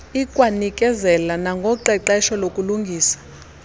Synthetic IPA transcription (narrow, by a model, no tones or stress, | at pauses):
ikʼwanikʼɛzɛlanaŋɡʱɔǃɛǃaiʃɔlokʼuluŋɡʱiːsḁ